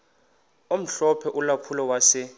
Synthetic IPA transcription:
om̩ɬɔpʰɛʔulapʰulɔwasɛ

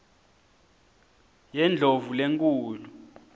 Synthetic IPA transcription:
jɛnd͡ɮʱovuleŋkʼuːlu

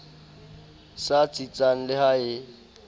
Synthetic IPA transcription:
sat͡sʼit͡sʼaŋ̩lɪhaɪ

